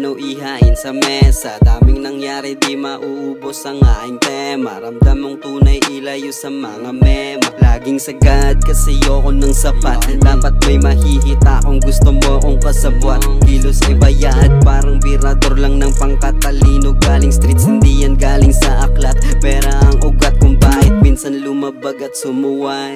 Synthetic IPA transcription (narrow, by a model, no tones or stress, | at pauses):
nɐwʔɪɦaʔɪnsɐmɛsɐd̪aːmɪŋnɐŋjaːɾɪnd̪imɐʔuʔbo̞sɐŋaʔɪnt̪ɛmɐɾɐmd̪amoŋt̪uːnɐjʔɪlɐjʊsɐmɐŋamɛmɐlaːɡɪŋsɐɡad̪̚kɐsɛjoːʔonɐŋsɐpat̪̚d̪̥aːpɐt̪̚mɐjmɐhihɪt̪aʔoŋɡʊst̪omoʔɐkoŋkɐsɐbwat̪̚ | hilosʔɪbɐjaʔɐd̪̚paːɾɐŋbiɾɐd̪oɾlaŋnɐŋpɐŋkɐt̪ːɐliːnoɡaːlɪŋst̪ɾit̪shɪnd̪ijɐnɡaːlɪŋsɐʔɐklɐt̪̚pɛːɾoʔɐŋʔʊɡat̪̚kʊŋbaːhɪt̪̚pinsanlʊmabaɡɐt̪̚sʊmuhaj